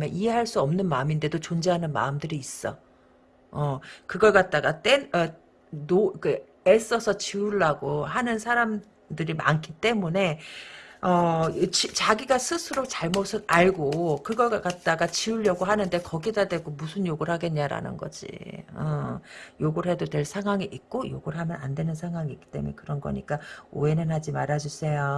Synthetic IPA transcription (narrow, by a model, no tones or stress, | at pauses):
mjʌnʔiɦe̞ɦaɭs͈uʌmnɯnmaɯminde̞dot͡ɕond͡ʑeɦanɯnma̰ɯmdɯɾiːs͈ʌ | ʌkɯɡʌɭk͈at̚t͈aɡat͈e̞nʌ | nokɯ | es͈ʌsʰʌt͡ɕiuɭːaɡoɦanɯnsʰaɾam | dɯɾima̰ŋkʰit͈e̞mune̞ | ʌt͡ɕit͡ɕaɡiɡasʰɯsʰɯɾot͡ɕaɭmosʰɯnaɭɡokɯɡʌk͈at̚t͈aɡat͡ɕiuʎːjʌɡoɦanɯnde̞kʌɡidadwe̞ɡ͈omusʰɯnjoɡuɾhaɡe̞nɲaɾa̰nɯ̰nɡʌ̰d͡ʑḭʌ̰joɡuɾɦe̞dotwe̞ɭsʰaŋɦwaŋiʔik̚k͈ojo̰ɡuɾɦamjʌna̰ndwe̞nɯnsʰaŋɦwaŋiik͈i̥t͈e̞̰munḛkɯɾʌnɡʌ̰ɲḭk͈ao̰enɯnɦad͡ʑimaɾad͡ʑus͈ʰe̞jo